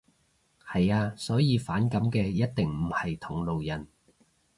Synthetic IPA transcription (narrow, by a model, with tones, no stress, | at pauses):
hɐ˨jaː˧sɔː˨˥jiː˨˧faː˨˥nkɐ˨˥mkɛː˧jɐ˥t̚t̪ɪ˨ŋm̩˨˩hɐ˨jt̪ʰʊ˨˩ŋlo˨wjɐ˨n